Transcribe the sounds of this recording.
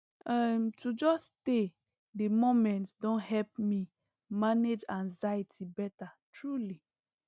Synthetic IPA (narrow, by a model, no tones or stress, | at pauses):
ɛmtʰud͡ʒɔste | demomɛ̃ntdõnhɛlpmi | maned͡ʒãnzajitʰibɛtatɹuli